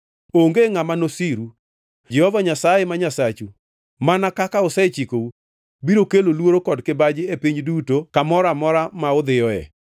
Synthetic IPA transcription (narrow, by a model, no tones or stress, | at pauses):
oŋɡeŋamanosiɾu | d͡ʒɛhɔvaɲasajemaɲasat͡ʃu | manakakaosɛt͡ʃikou | biɾokelolwoɾokɔdkɪbad͡ʒɪepiɲdutokamɔɾamɔɾamaʊd̪ɪjɔɛ̰